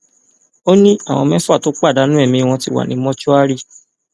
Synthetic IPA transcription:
o˦nĩ˦a˦˨w̃ɔ̰̃˧mɛ̃˦fu˦a˦˨to˨˦k͡pa˦˨da˨˦nũ˦ɛ˦˨mĩ˧w̃ɔ̃˧ti˧˦wa̰˨nĩ˨˦mɔ̃˦t͡ʃɔ˦a˦ɾi˦˨

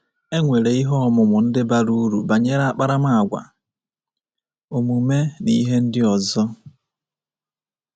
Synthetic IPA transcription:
e˦ŋʷe˨ɾe˨i˦ɦɔ˦ɔ˦˨mʊ˨mʊ˨n̩˦dɪ˦ba˦ɾu˦ɾu˨ba˨ɲe˦ɾa˦a˦˨k͡pa˦ɾa˦ma˦a˨ɡʷa̰˨ | o˨mu˨me˦ni˦ɦe˦n̩˦dɪ˦ɔ˨zɔ˦

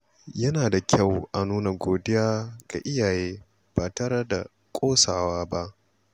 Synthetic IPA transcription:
jɐ˦naː˨da˨kʲʰa˦˨wʔa˨nuː˦na˨ɡʷoː˨dɪ˦jaː˦ɡ̥a̰˨ʔɪ˦jaː˨jeː˦ | b̥aː˨tɐ˦ɽɐ˦da̰˨ | kʷʼoː˦saː˨waː˦ba˦ʔ

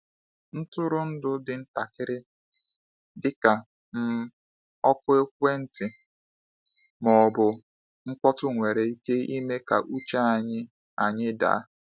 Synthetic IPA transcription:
n̩˦tʊ˦ɾʊ˦n̩˦dʊ˦dɪ˨n̩˦ta˨kɪ˦ɾɪ˦ | dɪ˦ka˨ | m̩˦ | ɔ˦kʊ˦e˦kʷe˦n̩˨tɪ˨ | mɔ˨bʊ˨ | ŋ̩˦kʷɔ˦tʊ˦ŋʷe˨ɾe˨i˦ke˦i˦me˦ka˨ʔu˦t͡ʃa˦a˨ɲɪ˦ | a˨ɲɪ˦da̰˨a˦

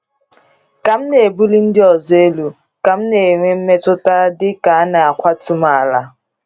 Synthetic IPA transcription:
ka˨m̩˦ne˨e˨bu˦li˦n̩˦dɪ˦ɔ˨ze˦lu˨ | ka˨m̩˦ne˨ŋʷe˦m̩˦me˦tʊ˦ta˦dɪ˦ka˨˦na˨a˨kʷa˦tʰu˦maː˦˨la˨

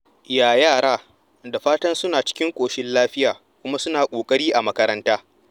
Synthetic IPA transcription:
jaː˨jaː˦˨ɽaː˦ | da˨ɸaː˦tɐ˦nsʊ˦naː˨t͡ʃɪ̥˦kʲɪ˦ŋkʷʼoː˨ʃɪ˦nlaː˦ɸɪ˦jaː˨ | kʷʊ˦ma˦sʊ˦naː˨kʷʼoː˨kʼɐ˦ɽiː˦ʔa˨mɐ˦kɐ˦ɾɐ˦ntaː˦

